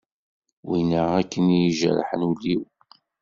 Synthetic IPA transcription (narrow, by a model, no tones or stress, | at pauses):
winəækːənjiʒəɾ̰ˤħənulːiw